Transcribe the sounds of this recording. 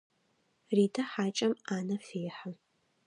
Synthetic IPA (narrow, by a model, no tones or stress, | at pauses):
riːtʰɐħaːt͡ʃʼɐmaːnɐfeːħə